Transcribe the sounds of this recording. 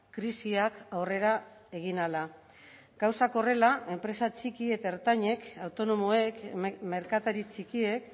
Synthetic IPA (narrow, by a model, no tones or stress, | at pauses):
kɾisiakawre̞ɾa | e̞ɣ̞inala | ɡ̥awsako̞re̞lae̞mpɾe̞sat͡ʃikie̞t̪aeɾt̪aɲe̞kawt̪o̞no̞moekme̞ɾkat̪aɾit͡sikie̞k